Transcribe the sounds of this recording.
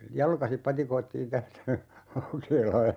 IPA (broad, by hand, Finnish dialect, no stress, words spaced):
jɑlkɑsip pɑtikoitːiːn tæstæ lɑukeːlɑːn